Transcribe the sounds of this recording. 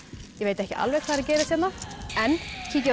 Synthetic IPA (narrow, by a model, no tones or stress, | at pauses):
jɛɣveːjt̪ɛhcɪʔa̰lvɛɣkʰaːðɾcɛːjɾɪsɛt̪naɛncʰicɛ